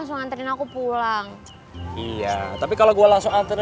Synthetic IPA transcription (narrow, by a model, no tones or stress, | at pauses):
ŋsʊŋant̪əɾinakupulaŋ | ija̰t̪apikaloɡualaŋsʊŋant̪əɾ